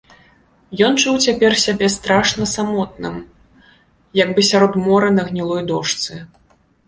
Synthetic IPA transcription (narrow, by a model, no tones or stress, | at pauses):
jɔnt͡ʂuwt͡sʲapʲɛrsʲabʲɛst̪ɾaʂnɐsamɔt̪̚nɨm | jɐɡbɨsʲaɾɔd̪mɔɾɨnɐɣnʲilˠɔjd̪ɔʂt̪sɨ